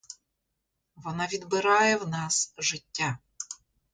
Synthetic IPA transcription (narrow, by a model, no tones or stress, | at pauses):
ʋɔnɑʋʲid̪bɪɾɑjɛwnɑsʒɪtʲːa